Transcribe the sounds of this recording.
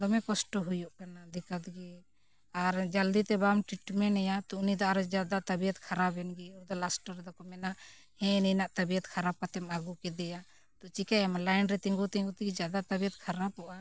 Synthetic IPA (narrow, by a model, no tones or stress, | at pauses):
d̪ɔmɛ̃kɔsʈɔɦujuʔkanad̪ɛkat̪ɡɛ | aɾd͡ʒald̪it̪ɛbamʈɾiʈmɛnɛjat̪ɔnid̪ɔaɾd͡ʒad̪at̪əbijət̪kʰaɾabɛnɡɛud̪ɔlasʈəɾd̪ɔkɔmɛna | hɛ̃nɛjnaʔt̪əbiət̪kʰaɾab̚kat̪ɛmaɡukɛd̪ɛja | t̪ɔt͡ʃikajɛmlajnɾɛt̪ɛŋɡut̪ĩŋɡut̪iɡɛd͡ʒad̪at̪əbijət̪̚kʰaɾapɔʔa